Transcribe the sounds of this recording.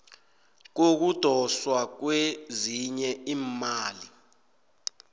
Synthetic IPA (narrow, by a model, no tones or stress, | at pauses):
k̬ok̬ud̥ʱɔswak̬weziɲɛiːmaːli